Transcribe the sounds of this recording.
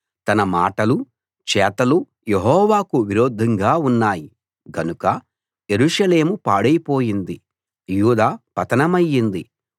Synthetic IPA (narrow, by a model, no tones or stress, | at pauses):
t̪ɐnɐma̰ːʈɐlu | t͡ʃɛːt̪ɐlu | jeɦɔːʋaːkuʋiɾoːd̪ʱːɐŋɡaːunːaːji | ɡɐnukɐ | je̞ɾuʂɐle̞ːmupaːɽɐjipo̞ːjind̪i | juːd̪aːpɐt̪ɐnɐmɐjːind̪i